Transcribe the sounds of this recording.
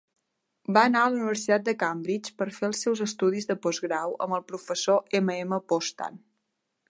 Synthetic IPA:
baənaəluniβ̞əɾsit̪at̪̚d̪əkambɾit͡ʃpəɾfeəlˠsɛwzəst̪uð̞izðəpɔzɣɾawə̰məlˠpɾufəsoʔeməeməpɔst̪a̰n

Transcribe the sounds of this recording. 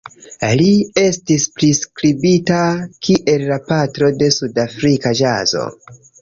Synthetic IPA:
lie̞stispɾiskɾibitakʰiʔe̞lːapatɾo̞de̞sudafɾikad͡ʒa̰zo̞̰

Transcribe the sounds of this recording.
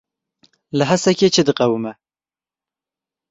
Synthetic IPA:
laɦasakʲet͡ʃed̪ɨqawuma

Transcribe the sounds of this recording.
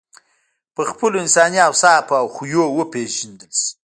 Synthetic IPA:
pəxpəloɪnsɑniawsɑpawxujowəpeʒand̪əls

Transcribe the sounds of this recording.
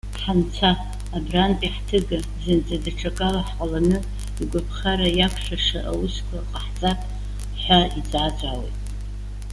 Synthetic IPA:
ħant͡sʰaː | brantʼiħtʰɨɡa | zɨnd͡zʼadaʈ͡ʂʰʼakʼalaħqʷʼalanɨ | iɡʷapʰχaɾajakʷʰʂaʂaʔa̰uskʷʰaqʼaħt͡sʼatʼ | ħʷaid͡zat͡sʷʼawḛjtʼ

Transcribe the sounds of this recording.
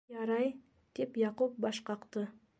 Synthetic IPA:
ɑɾɑj | d̪̥e̞pjɑqup̚bɑʃqɑqt̪ə

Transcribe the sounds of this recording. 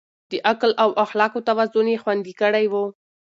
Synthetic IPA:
d̪əʔaklawʔaxlɑkot̪awazʊnexwand̪ikəɽajwu

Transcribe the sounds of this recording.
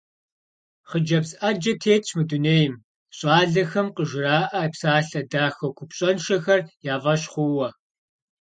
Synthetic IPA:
χəd͡ʒɐbzʔad͡ʒɐtʰeːtt͡ʃʰmɨduneːjɪm | ɕʼaːɮɐxɐmqəʒɪɾaːʔɐpsaːɬɐdaːxɐwkʷʰʊpɕʼɐnʃɐxɐrjaːvɐɕχʷʊwɐ

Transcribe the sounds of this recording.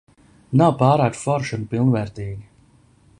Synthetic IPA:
nawpaːɾaːk̚t̪fɔɾʃunpilˠnvɛɾt̪iːɡʲi

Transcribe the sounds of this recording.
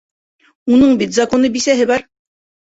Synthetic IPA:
unɤɴbit̪zɑkonɤbisæɦɘβɑɾ

